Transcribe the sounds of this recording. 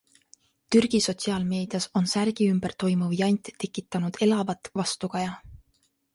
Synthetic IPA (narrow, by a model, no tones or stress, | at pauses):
t̪yrɡ̥iso̞t̪ʲsiɑːlme̞ːd̪̥iɑso̞nsærɡ̥iymb̥ert̪o̞jmuviɑjnʲt̪ːe̞kːˑit̪ːˑɑnud̪̥e̞lɑvɑt̪ːˑvɑst̪ukɑjɑ